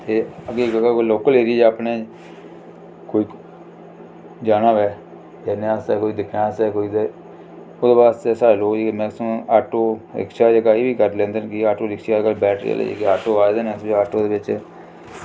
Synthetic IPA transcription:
t̪eːəɡeːkɡakoloːkəleːɾid͡ʒɛːaːpnẽː | koːiː | d͡ʒaːnaːʋɛː | d͡ʒɛːneaːsɛːkoːiːd̪ɪkʰnaːsɛːkoːiːd̪e | od̪eːbaːst̪eːsaːloːɡd͡ʒekːmɛ̃ːsõːaːʈoːɪ̰kʃaːd͡ʒəɡaːeːbiːkəɾlẽːnd̪enkɪaːʈoːɾɪkʃakəlːbɛːʈʰɾḛːlḛːḛːkeaːʈoːaːd̪eːnəsaːʈoːd̪eːʋɪt͡ʃ

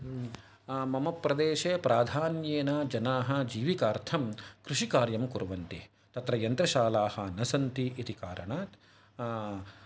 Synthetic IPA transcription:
mɐmɐpːɾɐd̪eːʃeːpɾaːd̪ʱaːnjeːnad͡ʒɐnaːɦɐ̆d͡ʒiːʋikaːɾt̪ʰɐmkɾuʃikaːɾjɐmkuɾʋɐnt̪i | t̪ɐt̪ɾɐjɐnt̪ɾɐʃaːlaːhɐnɐsɐnt̪iʔit̪ikaːɾɐ̰ɳaːt̪

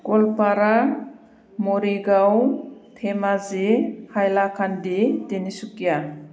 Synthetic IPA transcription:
kɔlpaɾa | mɔɾiɡawtʰemazehajlakʰanditenisukija

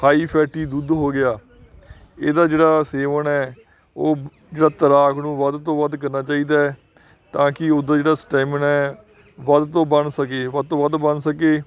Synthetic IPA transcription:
haːiːpʰɛːʈiːd̪ud̪ɦoːɡɪjaː | eːd̪aːd͡ʒeːɽaːseːʋənɛː | oː | d͡ʒeːɽaːt̪əɾaːkʰnũːʋəd̪t̪õːʋəd̪kəɾnaːt͡ʃaːiːd̪aː | t̪ãːkɪʊd̪aːd͡ʒeːɽaːsʈɛːmənɛː | ʋəd̪t̪õːbənsəkeːʋəd̪t̪õːʋəd̪bənsəkeː

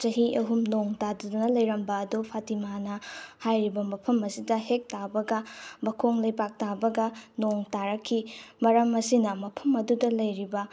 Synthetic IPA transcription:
t͡ʃɐɦiʔɐɦumnoŋtadɐdɐnɐlɐjɾɐmbɐːdupʰatimanɐhajɾibɐmɐpʰɐmɐsidɐhek̚tabɐɡɐbɐkʰoŋlɐjpak̚tabɐɡɐnoŋtaɾɐkʰːimɐɾɐmɐsinɐmɐpʰɐmɐdudɐlɐjɾibɐ

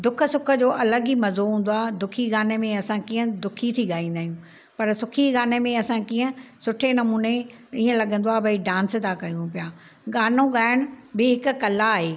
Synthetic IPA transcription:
d̪ʊkʰə̆sʊkʰə̆d͡ʑoːʔɐləɡimɐzoɦũːn̆d̪oaːd̪ʊkʰiɡaːnemẽɐsãkiːə̃d̪ʊkʰit̪ʰiɠaːĩːn̆d̪aːɦijũ | pɐɾsʊkʰiɣaːnemẽɐsãkiːə̃sʊʈʰenɐmuːne | iːə̃lɐɠə̃nd̪oaːbɐiɖãːnsd̪akɐjũpjaː | ɠaːnõɠaːɪəɽ̃ʊ̆bɪɦɪkʊ̆kɐlaːɦeː

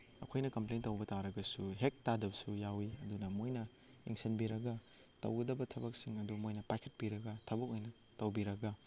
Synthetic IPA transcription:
ɐ̰kʰojnɐkɐmplentɐwbɐtaɾɐɡɐsuɦek̚tadɐbsujawiɐdunɐmojnɐ | ḭŋsɐnbiɾɐɡɐ | tɐ̰wɡɐdɐbɐtʰɐbɐk̚siŋɐdumojnɐpajkʰɐ̥t̚piɾɐɡɐtʰɐbɐk̚ojnɐ | tɐwbiɾɐɡɐ

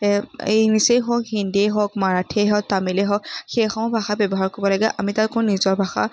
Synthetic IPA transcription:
enisejɦɔkhindieɦɔk̚maɹatʰeɦɔk̚tamileɦɔkxexɔmɔbʱaxabjɔbɔɦaɹkoɹibɔlaɡɛʔamitaɹkonizɔɹbʱaxa̰

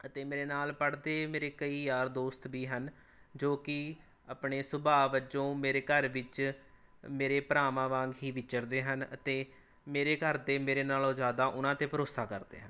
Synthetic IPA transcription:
ət̪eːmeːɾeːnaːlpəɽd̪eːmeːɾeːkəiːjaːɾd̪oːst̪biːɦən | d͡ʒoːkɪ | aːpɳeːsʊbaːʋət͡ʃõːmeːɾeːkəɾʋɪt͡ʃ | meːɾeːpəɾaːmãːʋãːŋɡɦiːʋɪt͡ʃəɾd̪eːɦənə̰t̪eː | meːɾeːkəɾd̪eːmeːɾeːnaːlõːzjaːd̪aːʔʊnãːt̪eːpʰəɾoːsaːkəɾd̪ḛːɦən

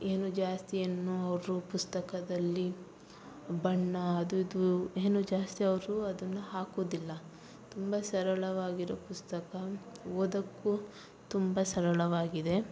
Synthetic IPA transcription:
eːnud͡ʒaːst̪ijenːuɐʋɐɾupust̪ɐkɐd̪ɐlːi | bɐɳːɐːd̪uid̪ueːnud͡ʒaːst̪iɐʋɐɾuɐd̪ɐnːuɦaːkoːd̪ilːɐ | t̪umbɐsɐɾɐɭɐʋaːɡiɾoːpust̪ɐkɐoːd̪ɐkːu | t̪umbɐsɐɾɐɭɐʋaːɡid̪e̞

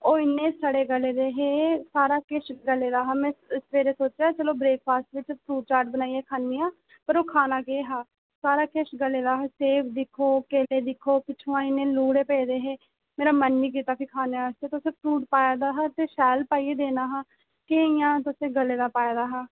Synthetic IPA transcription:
oːɪnːẽːsəɽeːɡəleːd̪eːɦeːsaːɾaːkeʃɡəleːd̪aːɦaːmɛ̃ːsʋeːɾeːsoːt͡ʃaːt͡ʃəloːbɾeːk̚pʰaːst̪ʋɪt͡ʃpʰɾuːɖ̚t͡ʃaːɾʈ̚bənaːiɛːkʰaːnːiːãː | pəɾoːkʰaːnaːkeːɦaː | saːɾaːkeʃɡəleːd̪aːɦeːseːpʰd̪ɪkʰoːkeːleːd̪ɪkʰoːpɪt͡ʃʰõːãːɪnːẽːluːɽeːpɛːd̪eːɦeː | meːɾaːmənːiːk̬iːt̪aːpʰikʰaːneːaːst̪eːt̪ʊsẽːpʰɾuːʈpaːjaːd̪aːɦaːt̪eːʃɛːlpaːieːd̪eːnaːɦaː | keːɪjãːt̪ʊsẽːɡəleːd̪aːpaːjed̪aːɦaː

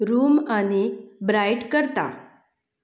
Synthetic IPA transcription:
ɾuːmañibɾajʈkəɾt̪a̰

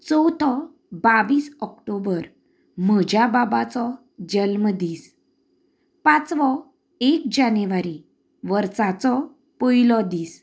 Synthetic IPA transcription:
t͡sɔwt̪ʰɔ | baʋiːsɔkʈobəɾ | m̤əd͡ʑʱjababat͡sɔ | d͡ʑəlmd̪iːs | pãt͡sʋɔ | ek̚d͡ʑanʋaɾi | ʋəɾt͡sat͡sɔ | pəjilɔd̪iːs

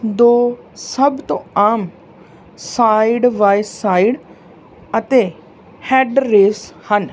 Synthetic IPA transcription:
d̪oː | sɐbt̪oaːm | saːiɖʋaːjsaːiɽ | ɐt̪e | heːɖɾeːshən

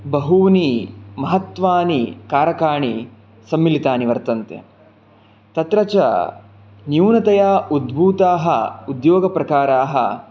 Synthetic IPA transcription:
bɐɦuːnimɐɦɐt̪ʋaːnikaːɾɐkaːɳi | sɐmːilit̪aːniʋɐɾt̪ɐnt̪ḛ | t̪ɐt̪ɾɐt͡ʃɐ̰ | njuːnɐt̪ɐjaːud̪bʱuːt̪aːɦɐ̰ud̪joːɡɐpɾɐkaːɾaːɦɐ̰

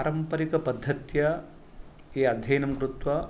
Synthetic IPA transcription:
ɾɐmpɐɾikɐpɐd̪ʱːɐt̪jɐ | eːɐd̪ʱɐjnɐmkɾut̪ʋɐ

